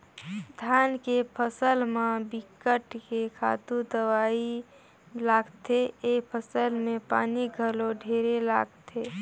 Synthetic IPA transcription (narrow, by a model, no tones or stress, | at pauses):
d̪ʱjaːnkepʰəsəlmãbɪkəʈkekʰa̰ːt̪ud̪əwaːi | laːɡt̪ʰeeːpʰəsəlmẽpa̰ːniɡʱəloɖʱeːɾela̰ːɡt̪ʰe